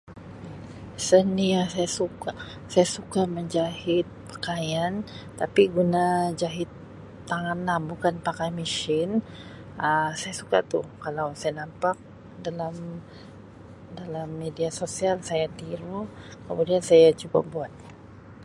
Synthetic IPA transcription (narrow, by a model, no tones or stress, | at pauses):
sənijaŋsajasuka | sajasukaməɲd͡ʒahɪt̪̚pə̥kajant̪apiɡunad͡ʒaɦɪt̪ː | aŋanlambukanpakajmiʃɪn | əsajasuka̰t̪ṵkalawsajanampak̚ | dalam | dalamːediasosialsajat̪iɾukəmudiansajat͡ʃuba̰buat̪̚